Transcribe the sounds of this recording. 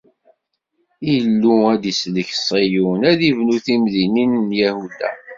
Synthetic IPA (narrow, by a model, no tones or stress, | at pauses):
ilːuæd̪isləçsˤijunæðivnuθimðininːjæhud̪æ̰